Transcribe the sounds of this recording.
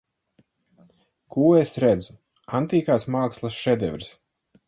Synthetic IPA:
kʰuːesɾɛd̪zu | ant̪iːkaːsmaːkslˠasʃɛd̪ɛvɾs

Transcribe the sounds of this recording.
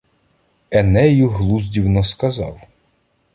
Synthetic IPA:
ɛnɛjuɦlˠuzʲdʲiwnɔskɐzɑ̰w

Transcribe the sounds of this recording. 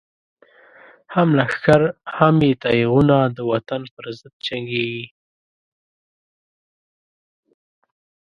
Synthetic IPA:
hamlaxkaɾhamjet̪ajiɣunad̪əwat̪anpəɾzəd̪̚t͡ʃaŋɡeɡi

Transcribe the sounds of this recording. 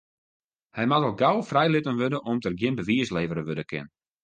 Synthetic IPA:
hɛjmatɔlˠɡawfrɛjlɪtənʋødəʔɔmtərɡjɪnbəʋiəsleːvəɾəʋødəkʰɪ̰n

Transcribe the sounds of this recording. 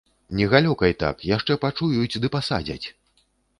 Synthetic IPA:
nʲɛɣalʲɔkɐjt̪a̰kjaʂt͡ʂɛpat͡ʂujut͡sʲd̪ɨpasa̰d͡zʲɐ̰t͡sʲ

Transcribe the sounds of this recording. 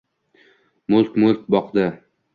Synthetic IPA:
mʊlˠkʲmʊlk̚ʲbɒqd̪ɪ

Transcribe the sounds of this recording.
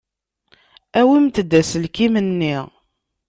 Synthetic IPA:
æwimt̪d̪ːæsəlkimənːiʁ

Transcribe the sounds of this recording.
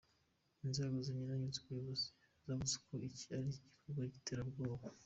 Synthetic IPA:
inzeːɡoziɲinaɲunze̥kujuβozi̥ | zavuzekʰoici̥aɾiɟikʰoɾɡwaɟiteːɾabɡoːβo

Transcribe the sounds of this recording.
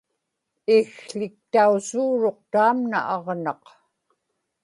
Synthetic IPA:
ixɬɪk̚t̪ausuːɻo̞qt̪aːmna̰ʔɑʁnɑq

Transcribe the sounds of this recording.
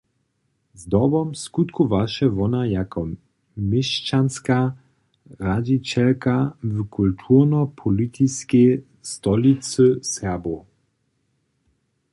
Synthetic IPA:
zd̪ɔbɔmskut̪kuvaʃɛvɔnajakʰɔ | mɪʃt͡ʃanska | rad͡ʑit͡ɕɛlkavkʰult̪ʰuʁnɔpʰɔlit̪ʰiskɛ | st̪ɔlisɨsɛbo

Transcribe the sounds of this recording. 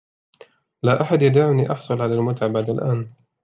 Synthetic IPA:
laːʔaħad̪jad̪aːʕʊniːʔɑħsˤʊlʕalalmʊt̪ʕabaʕd̪alʔaːn

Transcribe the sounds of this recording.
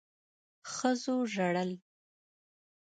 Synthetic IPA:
xəzoʒaɽəl

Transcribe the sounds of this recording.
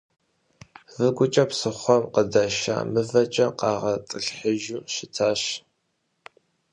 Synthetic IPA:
vɨɡʷʊt͡ʃʼɐpsɨχʷɔmqədɐʃa̰ːmɨvɐt͡ʃʼɐqɑːʁɐt͡sʼɨɬħəʒuːʃɪtʰaːɕ

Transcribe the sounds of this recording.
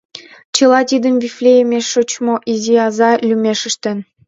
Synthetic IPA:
t͡ɕɤ̆lˠɑt̪ʲid̪ə̆mvʲiflʲejemʲeʃːot͡ɕmoʔiziɑzɑlʲymʲeʃɘ̆ʃt̪ɘ̆n

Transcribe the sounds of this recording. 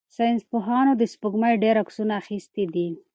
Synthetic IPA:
sanspoɦɑnod̪əspəɡmajɖeɾaksunaːxist̪id̪i

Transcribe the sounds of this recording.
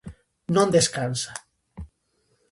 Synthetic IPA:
nõnd̪eskansa

